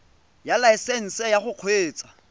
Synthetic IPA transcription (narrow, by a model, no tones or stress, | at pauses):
jalaɪsɛn̩sɛjaχʊq͡χʰweːt͡sʼḁ